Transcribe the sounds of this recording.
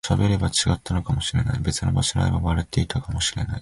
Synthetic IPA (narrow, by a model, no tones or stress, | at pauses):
ɕabe̞ɾe̞bat͡ɕiɡat̪ːano̞kamo̞ɕiɾe̞na̰ibe̞t͡sɨno̞̰baɕiɾa̰imaβaɾet̪e̞it̪akamoɕiɾe̞na̰i